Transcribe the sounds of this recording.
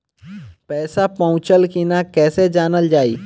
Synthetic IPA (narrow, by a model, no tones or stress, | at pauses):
pɛːsapɐʊ̃t͡ʃəlkinakɛːsed͡ʒaːnəld͡ʒaːḭː